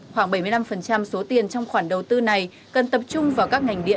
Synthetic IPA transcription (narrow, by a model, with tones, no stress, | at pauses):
xwaː˧˩ŋɓə˧˩jmɨ˧jla˧mfə˨˩nt͡ɕa˧mso˨˦t̪i˨˩ənt͡ɕwŋ͡mxwaː˧˩nɗə˨˩wt̪ɨ˧na˨˩j | kə˨˩nt̪ə˨˩p̚t͡ɕʊ˧ŋ͡mvaː˨˩wkaː˦˥k̚ŋa˨˩jŋ̟ɗḭ˧˨ə